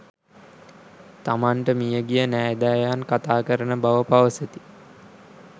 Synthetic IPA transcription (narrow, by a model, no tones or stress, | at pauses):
t̪amaɳʈəmijəɡijənæːd̪æːjankat̪aːkəɾənəbaʋəpaʋəsət̪i̥